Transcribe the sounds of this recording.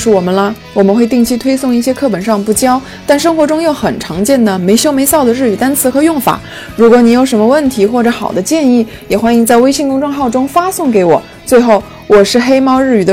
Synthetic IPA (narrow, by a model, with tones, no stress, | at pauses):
ʂɻ̩˥˩wɔ˨˩mə˦nlɐ˧ | wɔ˨˩mə˦nxwe˧ɪt̪i˥˩˧ŋt͡ɕʰi˥t̪ʰwe˥ɪsʊ˥˧ŋi˥˩ɕjɛ˥kʰɤ˥˩pə˨˩nʂɑ˥˧ŋpu˥˩t͡ɕjɑ˥ʊ | t̪a˥˩nʂɤ˥ŋxwɔ˧˥ʈ͡ʂʊ˥ŋjo˥˩ʊxə˨˩nʈ͡ʂʰɑ˧˥ŋt͡ɕjɛ˥˩nd̪ə˩me˧˥ɪɕjo˥ʊme˧˥ɪsɑ˥˩ʊd̪ə˩ɻ̩˥˩y˨˩t̪a˥nt͡sʰɹ̩˧˥kʰɤ˧˥jʊ˥˩ŋfa̰˨˩˦ | ɻu˧˥kwɔ˧˥ni˧˥jo˧˥ʊʂə˧˥nmə˧wə˥˩nt̪ʰi˧˥xwɔ˥˩ʈ͡ʂɤ˧˥xɑ˨˩ʊd̪ə˦t͡ɕjɛ˥˧ni˥˩ | jɛ˨˩xwa˥ni˧˥ŋt͡sa˥˩ɪwe˥ɪɕi˥˧ŋkʊ˥ŋʈ͡ʂwɑ˥˧ŋxɑ˥˩ʊʈ͡ʂʊ˥ŋfa˥sʊ˥˩ŋke˧˥ɪwɔ̰˨˩ | t͡swe˥˧ɪxo˥˩ʊ | wɔ˨˩ʂɻ̩˥˧xe˥ɪmɑ˥˧ʊɻ̩˥˩y˨˩d̪ə˦